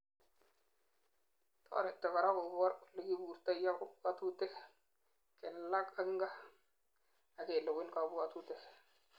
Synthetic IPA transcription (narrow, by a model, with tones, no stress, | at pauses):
tɔ̰˨ɾɛ˨tɔ˨ka˨ɾa˦ko˨ba˦ɾlɪ˨ki˦bu˨ɾta˦ja˦kʊ˦ka˦tu˦tɛ˦ | kɛ˨nla˦ka˨kɪ˦ŋɡa˦ | a˨ke˨lʊ˨kɪ˦nka˨bu˦ka˨tu˦tɛ˨